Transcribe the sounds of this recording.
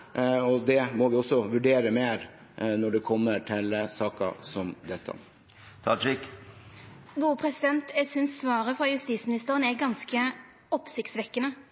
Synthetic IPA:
ɔd̪ɛmɔʋɪɔsːɔʋʉɖeːɾəmeːɾ | nɔɖɛkʰɔmːəɾʈʰɛlːəsɑːkɑ̰sɔmd̪ɛt̪ʰːə̰ | t̪ʰɑd͡ʒɪk | ɡuːpʰɾɛsɪd̪ɛnt̪ɛsʏnsːʋɑːɾəfɾɑjʉst̪iːsmɪnɪst̪əɾənɛɡɑnskə | ɔpsɪkt̪sʋɛkːənə

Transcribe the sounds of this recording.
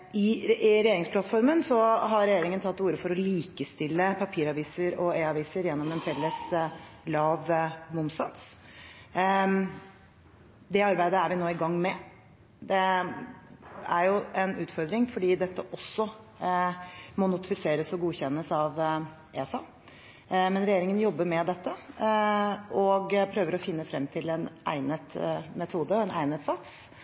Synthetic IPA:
ɪɾɛjeːɾɪŋspʰlɑt̪fɔɾmənsɔɦɑɾɾɛjeːɾɪŋənt̪ʰɑt̪ːuːɾəfɔɾɔliːkəst̪ɪlːəpʰɑpʰiːɾɑʋiːsəɾɔeːɑʋiːsəɾjɛnːɔmɛnfɛlːəslɑːʋmʊmsɑt̪s | d̪ɛɑɾbæɪd̪əæɾʋɪnoːɪɡɑŋːmɛ | d̪ɛ | æɾjʊɛnʉːt̪fɔɾd̪ɾɪŋfɔɖiːd̪ɛt̪ːəʔɔsːɔ | mɔnʊt̪ɪ̥fɪseːɾəsɔɡuːçɛnːəsɑʋ | ʔeːsɑ | mɛnɾɛjeːɾɪŋənjɔbːəɾmɛd̪ɛt̪ːə | ɔɡpʰɾøːʋəɾɔfɪnːəfɾɛmːt̪ʰɪlɛnʔæ̰ɪnət̪mɛt̪ʰuːd̪əɔɛnʔæ̰ɪnət̪sɑt̪s

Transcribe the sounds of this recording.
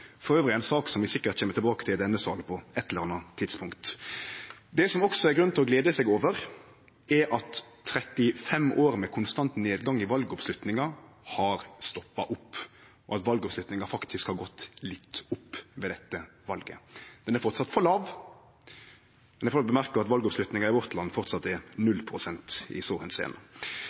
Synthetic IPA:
fɔɾøːʋɾɪɛnsɑːksɔmʋɪsɪkːət̪çeːməʈ̪ɪbɑːkət̪ʰɪld̪ɛnːəsɑ̰ːlpʰɔɛt̪ʰːɛləɾɑnːɑt̪ʰɪd̪spʰʊŋkt̪ | d̪ɛsɔmɔksɔɛɾɡɾʉn̩ɪlɔɡleːd̪əsɛːɡoːʋəɾ | ɛʔɑt̪ʰːɾɛt̪ːɪfɛmoːɾmɛkʰʊnst̪ɑnt̪neːd̪ɡɑŋːɪʋɑlɡəɔpslʉt̪nɪŋɑ | hɑɾst̪ɔpːɑʔʊpː | ɔɑt̪ʋɑlɡɔpslʉt̪nɪŋɑfɑkt̪ʰɪskhɑɾɡɔt̪ːlɪt̪ːʊpːʋɛːd̪ɛt̪ːə | ʋɑlɡə̰d̪̥ɛnæɾfɔɾt̪sɑt̪fɔlɑːʋ | mɛnɛfɔbəmæʁkəɑt̪ʋɑlɡɔpslʉt̪nɪŋɑɪʋɔʁt̪lɑnːfɔʁt̪sɑt̪ːɛnʉlːpʰʁʊsɛnt̪ɪ̰soːhɛnsḛːnə

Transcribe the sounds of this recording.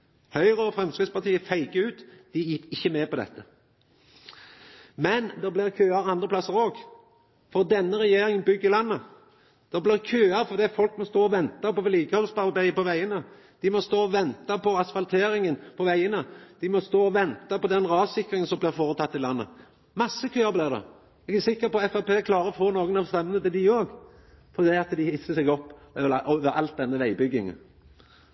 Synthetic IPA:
hœʏɾəɔfɾɛmskʁɪd̪spɑʁt̪iːəfæɪɡəʉːt̪d̪̥ɪjɪkːɪçːəmɛːpɔd̪ɛ̰t̪ʰːə | mɛnd̪ɛblɪʁkʰøːɑɾɑnd̪ʁəpʰlɑsːəɾoːɡ | fɔʁd̪ɛnːəɾʁɛjeːɾɪŋənbʏɡːəlɑnːə | d̪̥ɛblɪʁkʰøːɑfɔʁd̪iːfɔlkmɔst̪oːɔʋɛnt̪ɑpɔʋɛliːɡəhɔlspɑʁbæɪəpɔʋæɪənə | d̪̥ɪmɔst̪oːɔʋɛnt̪ɑpʰɔɑsfɑlt̪ʰeːɾɪŋənpʰɔʋæɪənəd̪̥ɪmɔst̪oːɔʋɛnt̪ɑpɔd̪ɛnʁɑːsɪkːʁɪŋənsɔmblɪʁfoːʁət̪ʰɑt̪ːɪlɑnːə̰ | mɑsːəkʰøːɑʁblɪʁd̪ɛ̰ | ɛɡəsɪkːəpɔɛfɑpeːkʰlɑːɾəɔfoːnoːɡənɑʋst̪ɛmːənət̪ɪld̪ɪjøːɡ | fɔʁd̪ɛɑt̪d̪ɪhɪsəsɛɡɔpːøʔɔʋəɑ̰lt̪̚d̪ɛnːəʋæɪbʏɡːɪŋ̰

